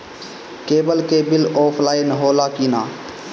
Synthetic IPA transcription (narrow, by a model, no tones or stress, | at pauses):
keːbəlkeːbɪloːpʰlaːɪnɦoːlaːkiːnaː